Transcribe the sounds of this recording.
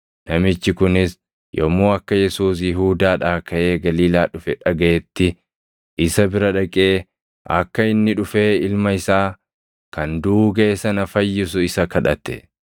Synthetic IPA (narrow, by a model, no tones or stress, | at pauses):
nɐmɪt͡ʃːɪkʊnɪs | jɔ̰moːɐkːɐjɛsuːs̬jɪɦuːd̪aːᶑaːkɐʔe̞ːɡɐliːlaːᶑʊfɛᶑɐɡɐʔɛt̪ːɪ | ɪsɐbɪɾɐᶑɐkʼeː | ʔɐ̰kːɐɪnːɪᶑʊfe̞ːɪlmɐɪsaː | kɐnd̪uːɡeːsɐnɐfɐjːɪs̬ʊɪsɐkɐᶑɐt̪ːɛ̰